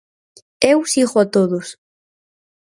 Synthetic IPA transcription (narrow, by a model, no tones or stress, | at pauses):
ewsiɣoat̪oðʊs